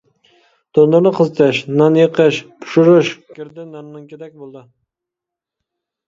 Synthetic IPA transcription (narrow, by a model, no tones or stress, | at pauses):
d̪̥onlˠɨɾnɨqʰəzɨt̪ʰɛʃnɑnjeqʰəʃpʰu̥ʃuɾɨʃɡʲiɾd̪ɪnɑnnɨŋkʲed̪ɛk̚ʲbolˠd̪ɨ